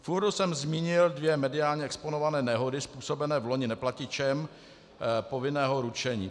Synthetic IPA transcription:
fuɾdusɛmzmiːɲɪldvjɛmɛdɪaːlɲɛɛksponovanɛːnɛɦo̞dɪspuːsobɛnɛːvloɲɪnɛplacɪt͡ʃɛm | po̞vɪnɛːɦo̞ɾut͡ʃɛɲḭː

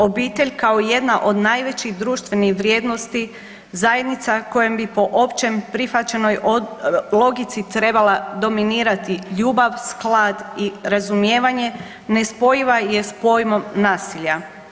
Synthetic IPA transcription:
o̞biːt̪e̞ʎʲkao̞ije̞d̪naʔo̞d̪najʋe̞t͡ɕiɣd̪ɾuːʃt̪ʋe̞nixʋɾje̞ːd̪no̞st̪i | zaje̞d̪nit̪sako̞jembipo̞ʔo̞pt͡ʃempɾifat͡ɕe̞no̞j | lo̞ɡit̪sit̪ɾe̞balˠad̪o̞miniːɾat̪iʎuːbaʋsklad̪iɾazumje̞ːʋaɲe̞ | ne̞spo̞jiʋaje̞spo̞jmo̞mnaːsiʎa

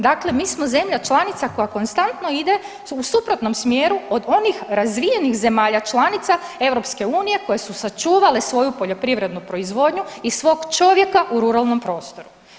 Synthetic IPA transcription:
d̪akle̞miːsmo̞ze̞mʎat͡ʃlˠanit̪sako̞jako̞nst̪ant̪no̞id̪e̞ | usupɾot̪no̞msmjeːɾuo̞d̪o̞nixɾazʋije̞nixze̞maːʎat͡ʃlˠanit̪sae̞ʋɾo̞pske̞uːnije̞ko̞je̞susat͡ʃuːʋale̞sʋo̞jupo̞ʎo̞pɾiʋɾe̞d̪nupɾo̞izʋo̞d̪ɲuisʋo̞ːɡt͡ʃo̞ʋje̞kaʔuɾuɾalˠno̞mpɾo̞ːst̪o̞ɾu

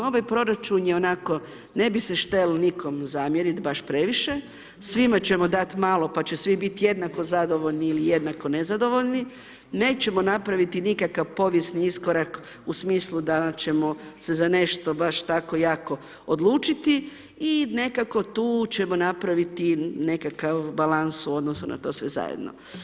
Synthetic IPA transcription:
o̞ʋajpɾo̞ɾat͡ʃunjeonako̞ | ne̞biseʃt̪e̞lniko̞mzamjeɾit̪baʃpɾe̞ʋiʃe̞ | sʋimat͡ɕe̞mo̞d̪at̪maːlˠo̞pat͡ɕe̞sʋibit̪je̞d̪nako̞zad̪o̞ʋoʎniːlije̞d̪nako̞ne̞zad̪o̞ʋo̞ʎni | ne̞ːt͡ɕe̞monapɾaʋit̪inikakaʋpo̞ʋjesniiskoɾak | usmiːslˠud̪at͡ɕe̞mo̞se̞zane̞ʃt̪o̞baʃt̪ako̞jaːko̞ | od̪lˠuːt͡ʃit̪i | ine̞kako̞t̪uːt͡ɕe̞mo̞napɾaʋit̪ine̞kakaʋbalansuo̞d̪nosunʔa̰t̪o̞ːsʋe̞̰za̰jḛd̪no̰

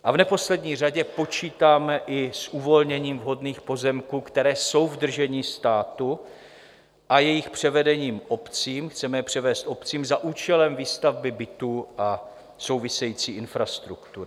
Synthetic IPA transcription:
ʔavnɛpo̞slɛdɲiːr̝aɟɛpo̞t͡ʃiːt̪aːmɛʔɪsʔuvo̞lɲɛɲiːmvɦo̞dniːxpo̞zɛmkuːkt̪ɛɾɛːso̞wvd̪r̩ʒɛɲiːst̪aːt̪u | ʔajɛjɪxpr̝̥ɛvɛdɛɲiːmʔo̞pt͡siːmxt͡sɛmɛpr̝̥ɛvɛːst̪ʔo̞pt͡siːmzaʔuːt͡ʃɛlɛmviːst̪avbɪbɪt̪uːʔa | so̞wvɪsɛjiːt͡siːʔɪnfɾast̪ɾukt̪uɾɪ

